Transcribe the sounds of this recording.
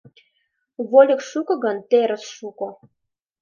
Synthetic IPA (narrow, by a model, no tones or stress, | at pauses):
βolʲə̆kʃukɤ̆ɣɤ̆nt̪eɾə̆sʃukŏ